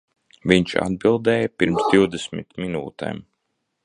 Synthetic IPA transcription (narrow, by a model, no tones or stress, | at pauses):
viɲt͡ʃa̰d̪̚bilˠd̪ɛːjapiɾmsd̪ʲiwd̪esmḭt̪minṵːt̪ɛ̰m